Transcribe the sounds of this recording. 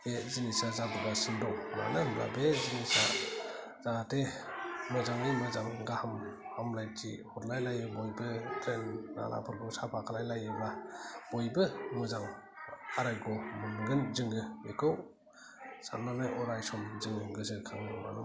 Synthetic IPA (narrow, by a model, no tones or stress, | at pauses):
ezinisazadubasɯndɔwma̰namla̰bezinisa | zatemɯzaŋɯjmɯzamɡahɯm | amlajtʰḭhɔtlajlajɯbɔjbɯtʰɾenːa̰lʔa̰pʰɯɾɡɯwsapʰakʰalajlajɯmabɔjbɯmɯzaŋ | aɾajɡɔmɯnɡɯnzɯŋɡɯbekʰɯw | sa̰nanaʔɔɾajsɔmzɯŋɯɡɯzɯkʰaŋɯmanɯ